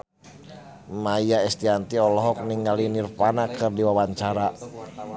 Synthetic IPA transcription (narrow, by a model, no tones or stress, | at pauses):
majaɛst̪iant̪iɔlɔɦɔk̚niŋalinirpanakɨrdiwawaɲt͡ʃaɾa